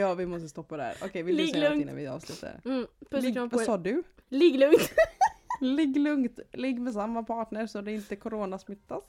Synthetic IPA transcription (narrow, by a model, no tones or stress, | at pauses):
jɑːvɪmɔst̪əst̪ɔpːad̪æ̰ːɾɔ̰kʰɛjvɪlɪŋɪna̰nvɪɑ̰ːvslʉːt̪ʰːa̰ɾ̰p̪ɡvasɑːdɵlɪɡlɵŋt̪ | lɪɡːlɵŋkt̪lɪɡːmɛs̬amːapʰɑːʈɳəɾsɔd̪ɛɪnt̪əkʰʊɾoːnasmʏt̪ːas